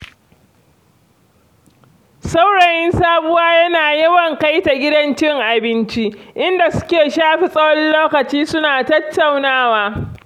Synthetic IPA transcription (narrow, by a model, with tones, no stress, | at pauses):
sa˦wɽɐ˨jɪ˦nsaː˦bʊ˦waː˦jɐ˦naː˨jɐ˦wɐ˨ŋka˦jta˨ɡʲɪ˦dɐ˦nt͡ʃɪ˦ŋʔa˨bɪ˦nt͡ʃi˦ʔɪ˦nda˨sʊ̥˦kʲeː˨ʃaː˦ɸi˨sʼɐ˦wɔ˦nloː˦kɐ˨t͡ʃiː˦sʊ˦naː˨tɐ˦tːa˨wnaː˦waː˦